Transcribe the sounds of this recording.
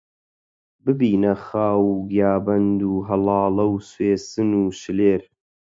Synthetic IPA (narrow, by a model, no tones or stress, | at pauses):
bɨbiːnɐxaːwuɡjaːbɐnd̪uːɦɐlˠɑːlɐwsweːsɨnuːʃɨleːɾ